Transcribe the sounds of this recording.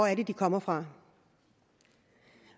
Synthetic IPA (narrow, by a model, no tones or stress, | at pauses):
æɐde̝d̥ikʰɒ̽m̰ɐfʁɑ̈